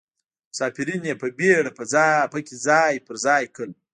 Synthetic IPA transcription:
sɑːpiɾinjepəbeɽapəzɑpəkʲizɑːjpəɾzɑjkəl

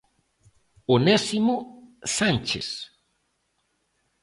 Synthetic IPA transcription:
onesimosant͡ʃḛs

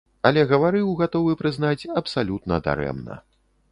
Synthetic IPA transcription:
ɐlʲɛɣɐvaɾɨwɣat̪ɔvɨpɾɨznat͡sʲɐpsalʲut̪nɐd̪a̰ɾɛ̰mnɐ̰

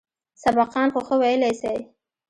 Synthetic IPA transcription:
sabɑqɑnxoxəwajəlajsaj

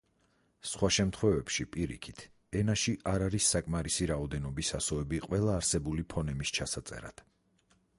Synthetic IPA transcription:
sχwaʃɛmt̪ʰχwɛvɛpʃipʼiɾḭkʰi̥t̪ʰ | ɛnaʃiʔaɾaɾisːakʼmaɾisiɾaɔd̪ɛnɔbisasɔɛbiqʼwɛlˠaːɾsɛbulipʰɔnɛmist͡ʃʰasat̪sʼɛ̰ɾa̰d̪̥

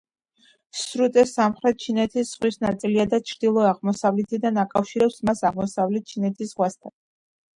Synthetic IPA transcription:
sɾut̪ʼɛsamχɾɛt̪̚t͡ʃʰinɛt̪ʰisz̥ʁwisnat̪sʼiliad̪at͡ʃʰɾd̪ilˠɔaʁmɔsavlɛt̪ʰid̪anakʼafʃiɾɛpsmasaʁmɔsavlɛt̪̚t͡ʃʰinɛt̪ʰisʁwast̪ʰan

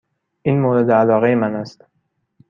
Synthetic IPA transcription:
ʔiːnmoːɾe̞d̪eælɒːɣejemænæst̪

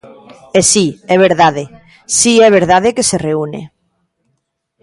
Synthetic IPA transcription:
esiɛβ̞eɾðað̞e | siɛβ̞eɾð̞að̞ekesereunḛ

